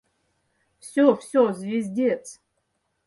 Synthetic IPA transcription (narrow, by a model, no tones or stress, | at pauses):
fsʲofsʲozvʲezʲdʲet͡sʰ